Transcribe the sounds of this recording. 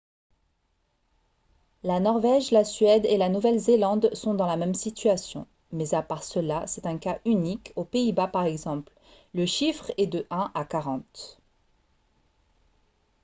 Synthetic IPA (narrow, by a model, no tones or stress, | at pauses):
lanɔʁvɛʒlasɥɛd̪elanuvɛlzelɑ̃d̪sɔ̃d̪ɑ̃lamɛmsit̪ɥasjɔ̰̃ | mɛzapaʁsəlasɛt̪ɛ̃kaʔynikopeibapaʁɛɡzɑ̃pl | ləʃifχɛd̪əʔɛ̃ʔakaʁɑ̃t̪